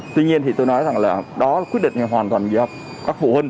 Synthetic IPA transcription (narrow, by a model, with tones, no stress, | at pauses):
t̪wi˧ɲi˧ənt̪ʰi˨˩o˧jnɔ˨˦jza˨˩ŋlaː˨˩ɗɔ˨˦˨kwi˦˥ət̚ɗḭ˧˨ŋ̟t̪ʰɦwaː˨˩nt̪waː˨˩nzḭ˧˩ɔ˨˧˩ | kaː˦˥k̚vṵ˧˩hə˧n